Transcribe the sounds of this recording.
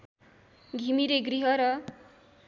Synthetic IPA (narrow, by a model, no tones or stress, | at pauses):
ɡʱimiɾeɡriɦʌɾʌ